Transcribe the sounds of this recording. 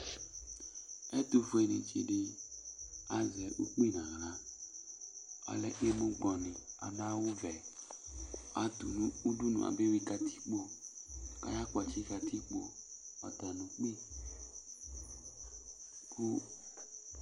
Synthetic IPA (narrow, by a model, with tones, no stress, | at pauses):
ɛ˦t̪u˨vu˨˦ɛ˨nḛ̃˨t͡ʃḛ˨ɖe˦ | a˨zɛ˨ʔu˦k͡pi˦nã˨ɣla˨˦ | a̰˨lɛ˦˨ʔe˦mũ˦ɡ͡blɔ˨nĩ˨a̰˨nã˦wo˦vɛ˨ | a˨t̪u˨nũ˦u˦ɖu˦nṵ̃˨a̰˨be˦wi˦ka˨t̪ʰi̥˦k͡po˦ | ka̰˦ja˦k͡po˨a˨t͡ʃi˦ka˨t̪ʰi˦k͡po˦ | a̰˨t̪a˨nũ˨k͡pi˦ | ku˦